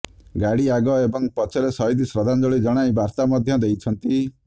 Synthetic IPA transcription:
ɡaɽiaɡɔebɔŋpɔt͡ʃʰɔɾesɔɦid̪isɾɔd̪ʱand͡ʒɔɭid͡ʒɔɽ̃ajbaɾt̪amɔd̪ʱjɔd̪ejt͡ʃʰɔnt̪i

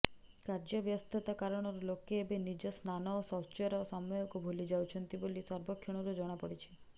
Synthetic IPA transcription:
kaɾd͡ʒɔbjɔst̪ʰit̪akaɾɔɽ̃ɔɾɔlokeːbenid͡ʒɔsnanɔosɔt͡ʃɔɾɔsɔmɔjɔkubʱulid͡ʒawt͡ʃʰɔnt̪ibolisɔɾbɔkʰːjɔɽ̃ɔɾud͡ʒɔɽ̃apɔɽit͡ʃʰi̥

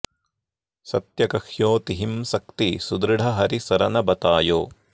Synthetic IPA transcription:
sɐt̪jɐkɐhjoːt̪iɦimsɐk̚t̪isud̪ɾɪɽʱɐɦɐɾisɐɾɐnɐbɐt̪aːjoː

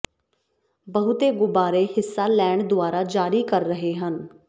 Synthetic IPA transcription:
bəɦʊt̪eːɡʊbaːɾeːɦɪsːaːlɛːɳd̪ʊaːɾaːd͡ʒaːɾiːkəɾːəɦeːɦən

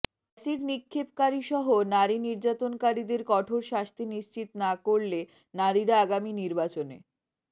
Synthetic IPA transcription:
asiɾnikʰːeb̚kaɾiʃɔɦonaɾiniɾd͡ʑat̪onkaɾid̪eɾkɔʈʰoɾʃaʃt̪ʰiniʃt͡ɕit̪nakoɾle | naɾiɾaaɡaminiɾbat͡ɕonḛ

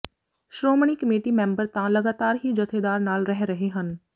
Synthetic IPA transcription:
ʃɾoːmɽ̃iːkəmeːʈimẽːmbəɾt̪ãlɐɡaːt̪aːɾɦid͡ʒɐt̪ʰed̪aːɾnaːlɾɛɦɾɐɦeɦən

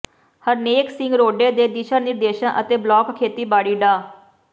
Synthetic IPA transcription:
həɾneːksɪ̃ŋɡɾoːɖeːd̪eːd̪ɪʃəɾnɪɾd̪eːʃãːʔət̪eːblɔːkkʰːeːt̪iːbaːɽiːɖaː

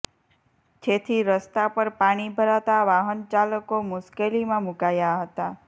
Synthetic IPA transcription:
d͡ʒet̪ʰiɾəst̪apəɾpaɽ̃ibʱəɾat̪aʋaɦənt͡ʃaləkomʊʃkelimãmukajaɦət̪a

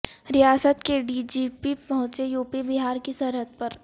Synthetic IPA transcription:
ɾɪjaːsət̪keɖiːd͡ʒiːpipɐɦʊ̃t͡ʃejuːpibɪɦaːɾkisɐɾɦət̪̚pɐɾ

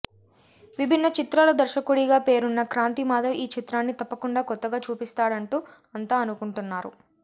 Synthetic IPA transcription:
ʋibʱinːɐt͡ʃit̪ɾaːlɐd̪ɐɾʃɐkuɽiɡaːpe̞ːɾunːɐkɾaːnt̪imaːd̪ɐmʔiːt͡ʃit̪ɾaːnːit̪ɐpːɐkuɳɖaːkɔt̪ːɐɡaːt͡ʃuːpist̪aːɽɐɳʈuː | ɐnt̪aːɐnukuɳʈunːaːɾṵ

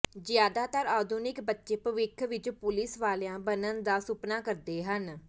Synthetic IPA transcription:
zɪjaːd̪aːt̪əɾaːd̪ʊnɪkbətːʃeːpəʋɪkʰʋɪt͡ʃpʊlɪsʋaːlːãːbənənd̪aːsʊpnaːkəɾd̪eːɦən

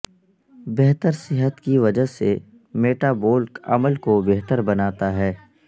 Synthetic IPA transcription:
beɦt̪əɾsɪɦət̪kiʋɐd͡ʒəɦse | meːʈaːboːlkɐ̰məlkobeɦt̪əɾbɐnaːt̪aɦɛː

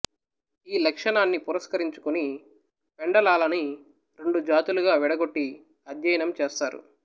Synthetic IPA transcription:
iːlɐkʂɐɳaːnːipuɾɐskɐɾiɲt͡ʃu̥kuni | peɳɖɐlaːlɐni | ɾe̞ɳɖud͡ʒaːt̪uluɡaːʋɛɽɐɡo̞ʈːi | ɐd̪ʱjɐjɐnɐmt͡ʃeːst̪aːɾṵ

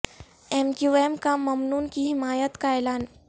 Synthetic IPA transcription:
emkjuemkamːəmnuːnkiːɦimajət̪kajlan

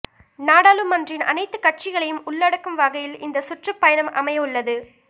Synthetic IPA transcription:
naːɽaːlɯmːɐndrɪnʔɐ̰nɐɪt̪ːɯkɐʈ̚t͡ʃɪɣɐɭɐjɯmʊɭːɐɽɐkːɯmʋɐɣɐjɪlɪnd̪ɐsʊʈrɐpːɐjɐnɐmʔɐ̰mɐjɐɯɭːɐðɯ

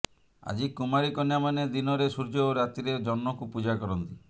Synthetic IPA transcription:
a̰d͡ʒikumaɾikɔnjamaned̪inɔɾesuɾd͡ʒooɾat̪iɾed͡ʒɔnmɔkupud͡ʒakɔɾɔnt̪i

